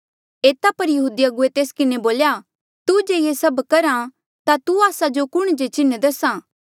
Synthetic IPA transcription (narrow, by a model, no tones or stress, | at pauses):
eːt̪apɐɾjɐɦuːd̪ijaɡʊet̪eːskɪneboːlja | t̪ud͡ʒeːjesɐbkɐɾã | t̪at̪uaːsad͡ʒokʊɽ̃d͡ʒet͡ʃɪned̪ɐsãː